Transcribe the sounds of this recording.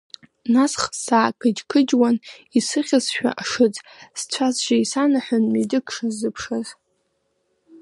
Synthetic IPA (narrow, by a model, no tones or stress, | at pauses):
nasχsaːkʰʼɨd͡ʒkʰɨd͡ʒwanisɨχʲasʃᶣa̰ʔaʂɨt͡sʼst͡ɕʷʰazʒaisanaħʷʊnmedɨkʰʼʂazɨpʰʂaz